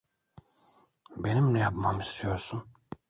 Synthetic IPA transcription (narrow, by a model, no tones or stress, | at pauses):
benimnɛjapmamist̪ʰijoɾsun